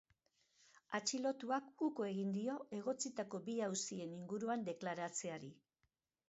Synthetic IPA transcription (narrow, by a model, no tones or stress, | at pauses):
at͡ʃilo̞t̪uakukoe̞ɣind̪io̞e̞ɣ̞o̞t͡sit̪ako̞biawsie̞niŋɡuɾuand̪e̞klaɾat͡se̞aɾi